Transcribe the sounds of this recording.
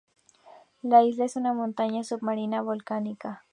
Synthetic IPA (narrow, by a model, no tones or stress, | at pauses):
lais̬laesunamont̪aɲasubmaɾinaβolkanika